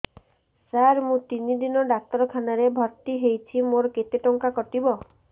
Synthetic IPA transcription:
saɾmũt̪inid̪inɔɖat̪ɾɔkʰanaɾebʱɔɾt̪iɦejt͡ʃʰimoɾɔket̪eʈɔŋkakɔʈibɔ

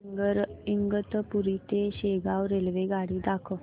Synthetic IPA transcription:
ɡəɾiŋɡət̪puɾit̪eɕeɡawɾelʋeɡaɽiːd̪akʰə

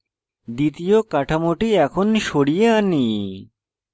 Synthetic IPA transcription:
d̪it̪ijokaʈʰamoʈiɛkʰonʃoɽijeani

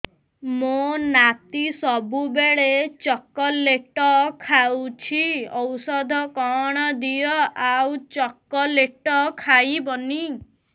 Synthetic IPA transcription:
monat̪isɔbubeɭet͡ʃɔkɔleʈɔkʰawt͡ʃʰiɔwsɔd̪ʱɔkɔɽ̃ɔd̪ijɔʔawt͡ʃɔkːɔleʈɔkʰajbɔni

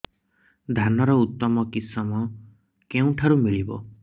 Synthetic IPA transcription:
d̪ʱanɔɾɔut̪ːɔmɔkisɔmɔ | keũʈʰaɾumiɭibɔ̰

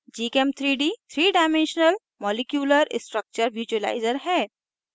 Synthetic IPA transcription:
d͡ʒiːkemt̪ʰɾiːɖiːt̪ʰɾiːɖaːɪmẽnʃənəl | mɔːlɪkjuːləɾsʈɾək̚t͡ʃəɾʋjuːt͡ʃuəla̰ːɪzəɾɦɛː

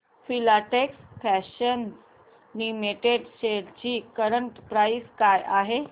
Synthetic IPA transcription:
filaʈeksfæɕən | niːmeʈeɖɕeɽt͡ɕiːkəɾəɳʈpɾaiskajʔaɦe

